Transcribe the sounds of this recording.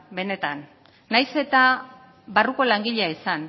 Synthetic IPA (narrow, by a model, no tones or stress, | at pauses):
be̞ne̞t̪anː | ajse̞t̪a | βaruko̞laŋɡiʎeaisan